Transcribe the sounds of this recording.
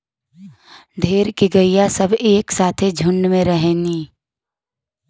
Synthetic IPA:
d̪ʱeːɾkiɡɐijasɐbeːksaːt̪ʰed͡ʒʱʊ̃ɳɖmẽɾəɦɛːniː

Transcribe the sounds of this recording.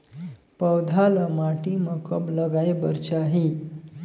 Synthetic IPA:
pəwd̪ʱaləmaʈiməkəbləɡajbəɾt͡ɕaɦi

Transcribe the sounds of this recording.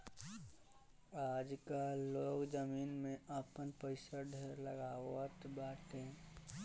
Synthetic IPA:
aːd͡ʒkaloːkd͡ʒəmiːnmẽəpənpəɪsəɖʱəɾləɡaːwət̪baːt̪ẽ

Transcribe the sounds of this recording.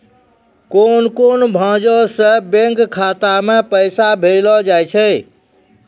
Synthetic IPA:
konkonbʱãd͡ʒɔsə̃bẽŋkkʰːat̪amepəjsabʱelɔd͡ʒajt͡ʃʰəj

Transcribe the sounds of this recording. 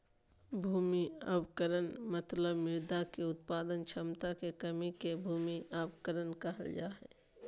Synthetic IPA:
bʱuːmiə̰bkəɾənmət̪ləbmɪɾd̪akeʊt̪paːd̪ənt͡ʃʰəmt̪akekəmikebʱuːmiʔabkəɾənkəɦə̰ld͡ʒaːɦɛ̰

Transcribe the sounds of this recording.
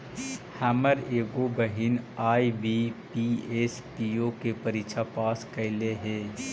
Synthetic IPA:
hɛːməɾeːɡobəɦɪnaːibipieːspiokepəɾikʃʰapaːskəɪleɦɛ̃ː

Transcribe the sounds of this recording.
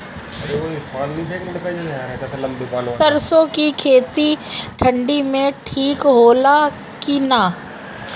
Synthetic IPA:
ɐɾeʋoɪpaːnːiseːkɖped͡ʒaaɛkɐslɐ̃mbiːpaːlːsəɾsõkikʰeːt̪iʈʰə̃ɳɖimẽʈʰiːkɦoːla | kinaː

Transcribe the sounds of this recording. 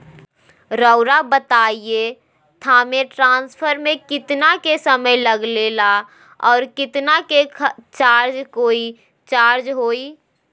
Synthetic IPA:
ɾəʊɾabət̪aie | t̪ʰameʈɾãːnspʰəɾmekɪt̪nakesəməjləɡlela | ɔːɾkɪt̪naket͡ʃaːɾd͡ʒkoːi | t͡ʃaːɾd͡ʒɦoi

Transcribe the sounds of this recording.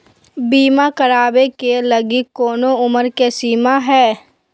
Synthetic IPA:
biːmakəɾaːbekeləɡikːoːnoʊməɾkesiːmaɦɛː

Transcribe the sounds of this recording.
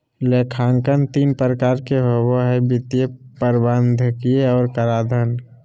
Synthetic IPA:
leːkʰãːŋkənt̪iːnpɾəkaːɾkeɦowoɦɛbɪt̪ijepəɾbənd̪ʱkijeɔːɾkəɾaːd̪ʱən

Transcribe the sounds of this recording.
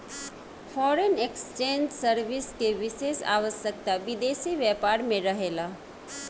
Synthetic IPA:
fʰɔːɾənekst͡ʃẽːnd͡ʒsəɾʋɪskeʋɪʃeːʃa̰ːʋəsjək̚t̪aʋɪd̪eːʃiʋjɛːpaːɾmẽɾɐɦeːlaː

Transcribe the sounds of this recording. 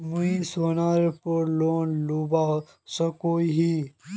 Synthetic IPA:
muisoːnaːɾepoɾloːnlubaː | səkoːiɦi

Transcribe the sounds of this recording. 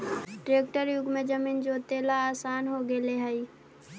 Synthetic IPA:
ʈɾeːk̚ʈəɾjʊɡmẽd͡ʒəmiːnd͡ʒoːt̪eːlaaːsaːnɦoɡeleɦɛi

